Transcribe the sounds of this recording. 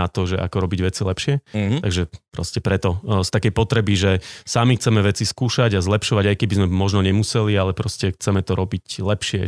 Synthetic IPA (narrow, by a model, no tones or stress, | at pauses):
at̪ɔʒɛʔa̰kɔɾɔbiɟʋɛt͡silɛpʃɪɛt̪aɡʒɛpɾɔscɛpɾɛt̪ɔst̪akɛjpɔt̪ɾɛbiʒɛsamixt͡sɛmɛʋɛt͡siskuːʃaɟazlɛpʃɔʋaɟajkɛbizmɛmɔʒnɔɲɛmusɛlialɛpɾɔscɛxt͡sɛmɛt̪ɔɾɔbiclɛpʃɪɛ